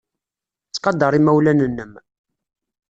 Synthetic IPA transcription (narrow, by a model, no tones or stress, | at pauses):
t͡sːqɑd̪ɑɾˤimæwlænənːəm